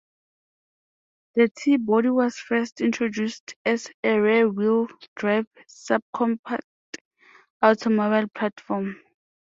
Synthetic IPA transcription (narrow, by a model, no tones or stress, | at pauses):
dətʰibɔɾiwɔsfɛstʰĩntʰɹɔd͡ʒustʰɛsɛɹɛwildɹajvsab̚kʰɔ̃mpʰak | awtʰɔmɔbalpʰlatfɔm